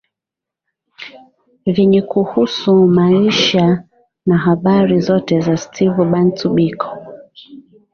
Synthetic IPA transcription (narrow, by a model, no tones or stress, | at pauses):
vɛɲɛkuhusumaiʃa | naɦaɓaɾizɔtɛzastʰivuɓan̩tuɓikʰɔ̥